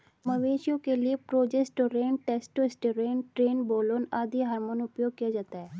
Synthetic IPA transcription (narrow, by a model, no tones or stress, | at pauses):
məʋeːʃjõkeliepɾoːd͡ʒesʈoɾeːnʈeːsʈoɪsʈɾeːnʈɾeːnboːloːnaːd̪iɦaːɾmoːnʊpjoːɡ̚kijad͡ʒaːt̪aɦɛː